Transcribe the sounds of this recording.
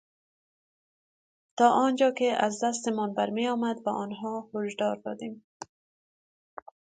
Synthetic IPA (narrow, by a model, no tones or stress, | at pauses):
t̪ɒʔɔnd͡ʒɒkeazd̪ast̪ɪmɔnbaɾmejɒmad̪baʔɔnɦɔhʊʃd̪ɒɾd̪ɔ̰d̪em